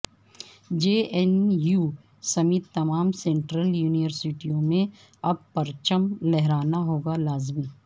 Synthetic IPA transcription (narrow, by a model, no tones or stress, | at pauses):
d͡ʒeːɛnjuː | sɐmiːt̪ːɐmaːmsẽːɳʈɾəljuːnɪʋəɾsɪʈijõmẽ | ɐb̚pɐɾt͡ʃəmlɛɦɾaːnaɦoːɡalaːzmiː